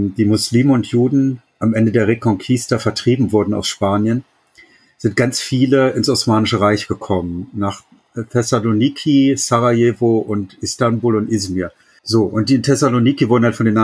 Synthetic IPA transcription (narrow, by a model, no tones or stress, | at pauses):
d̥iːmʊsliːmənʊntjuːdn̩ | ʔamʔɛndədeːɐʁekʰɔŋkʰistɐfɛɐtʁ̥iːbm̩vʊɐdn̩a̰ʊsʃpaːnjən | z̥ɪnt̚ɡ̥ant͡sfiːləɪnsɔsmaːnɪʃəʁaɪçɡ̥əkʰɔmənnaːχ | tʰɛsaloniːkʰisaʁaeːvoʔʊntʔɪstambuːlʊntʔɪzmiɐ | zoːʔʊnt̚d̥iːɪntʰɛsaloniːkivʊɐdn̩haltfɔndeːnʔa